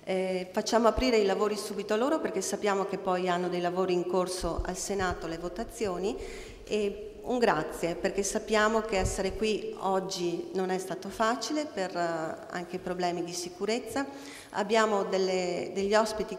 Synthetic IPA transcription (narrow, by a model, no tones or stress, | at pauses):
fat͡ʃːaːmoapɾiːɾeilavoːɾisuːbit̪oaloːɾoperkesːapːjaːmokepːɔjanːod̪ejlavoːɾiːŋkorsoʔa̰lsenaːt̪olevot̪at̪sːjoːni | e | uŋɡɾat̪sːjeperkesapːjaːmokeɛsːeɾekwiɔd͡ʒːinonɛst̪aːt̪ofaːt͡ʃilepera̰ŋk̟eipɾoblɛːmid̪isikuɾet̪sːa | a̰bːjaːmod̪elːed̪eʎːiɔspit̪i